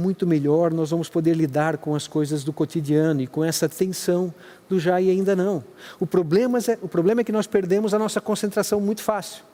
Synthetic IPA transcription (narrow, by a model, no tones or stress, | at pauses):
mũj̃t̪ʊmeʎɔɾnɔzvɐ̃mʊspod̪eɾlid̪aɾkõw̃ɐskojzɐzd̪ʊkot̪id͡ʒiɐ̃nʊɪkõɛsɐt̪ẽsɐ̃w̃ | d̪ʊʒaɪaĩnd̪ɐnɐ̃w̃ʊpɾoblẽmɐzɛʊpɾoblẽmɐɛkɪnɔspeɾd̪ẽmʊzɐnɔsɐkõsẽnt̪ɾasɐ̃w̃mũj̃t̪ʊ̥fasiw